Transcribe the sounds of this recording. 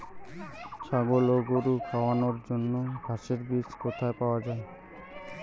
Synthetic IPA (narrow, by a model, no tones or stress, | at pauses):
t͡ɕʰaɡoloɡoɾukʰaoanoɾd͡ʑonːoɡʱaʃeɾbit͡ɕkot̪ʰaepaoad͡ʑae